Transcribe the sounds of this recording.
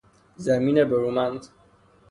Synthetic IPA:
zæmiːnebeɾumænz

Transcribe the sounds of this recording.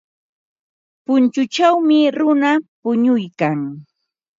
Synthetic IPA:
pʊnt͡ʃʊt͡ʃawmɪɾʊnapʊɲʊjkaŋ

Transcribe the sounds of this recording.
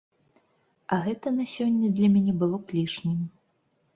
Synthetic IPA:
ɐɣɛt̪ɐnɐsʲɔnʲːɐd̪lʲɐmʲanʲɛbɨlˠɔklʲiʂnʲimʲ

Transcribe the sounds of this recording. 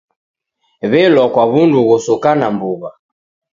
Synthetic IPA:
βɛlɔkwaβunduɣusukanambuβa

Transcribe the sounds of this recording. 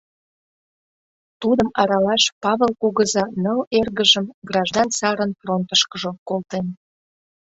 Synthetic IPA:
t̪ud̪əmɑɾɑlɑʃpɑβelkuɣəzɑnəlerɣəʒəmɡrɑʒd̪ɑnsɑɾənfront̪əʃkəʒokolt̪en

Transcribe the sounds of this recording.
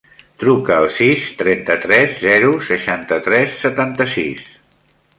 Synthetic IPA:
t̪ɾukəːlˠsist̪ɾɛnt̪ət̪ɾɛzzɛɾusəʃant̪ət̪ɾɛsːət̪ant̪əsis

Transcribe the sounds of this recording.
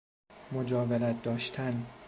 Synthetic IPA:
mod͡ʒɒːveɾæt̪̚d̪ɒːʃt̪ʰæn

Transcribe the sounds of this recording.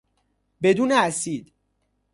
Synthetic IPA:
be̞d̪uːneæsiːd̪

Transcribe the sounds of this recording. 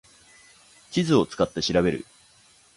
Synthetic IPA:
t͡ɕizɨo̞t͡sɨ̥kat̪ːe̞ɕiɾabe̞ɾɯ̟̰

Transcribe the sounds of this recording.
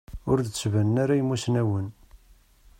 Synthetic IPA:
ʊɾd̪t͡sːvænːaɾajəmːusnæwən

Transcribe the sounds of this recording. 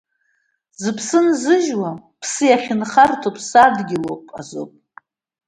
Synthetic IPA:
zɨpʰsɨnzɨʒwapʰsɨjaχʲɪnχartʰopʼʰsadɡʲɪlo̰wpʼa̰zo̰pʼ

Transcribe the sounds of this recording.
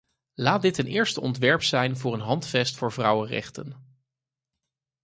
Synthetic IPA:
laːd̚dɪtənɪːɹstəɔ̰ntʋɛɹpsɛjnvʊːɹənɦɑntfɛstfʊːɹvrɑwərɛ̰χtə̰n

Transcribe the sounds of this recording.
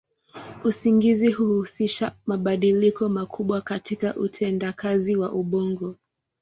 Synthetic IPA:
usiŋɡizihuhusiʃamaɓaɗilikɔmakʰuɓwakatikaʔutʰɛndakʰaziwaʔuɓɔŋɡɔ

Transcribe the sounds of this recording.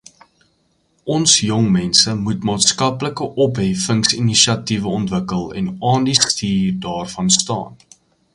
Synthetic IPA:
ʔɔnsjɔŋmɛnsəmutmɑːtskɐpləkəʔɔpɦɛfəŋsiniʃiɐtivəɔntvəkəlˠɛ̰nɑːndistiːrdɑːrfɐnstɑ̰ːn

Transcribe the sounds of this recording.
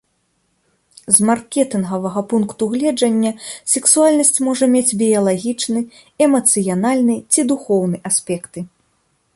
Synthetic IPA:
zmarkʲɛt̪ɨnɣɐvɐɣɐpunkt̪uɣlʲɛd͡ʐɐnʲːɐsʲɛksualʲnɐsʲt͡sʲmɔʐɐmʲed͡zʲbʲijɐlˠaɣʲit͡ʂnɨ | ɛmɐt̪sɨjanalʲnɨt͡sʲid̪uxɔwnɨʔasʲpʲɛkt̪ɨ

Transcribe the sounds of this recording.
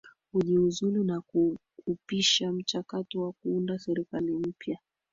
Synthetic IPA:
huʄiuzulinaku | upiʃam̩t͡ʃakatɔwakuundasɛɾikalim̩pja

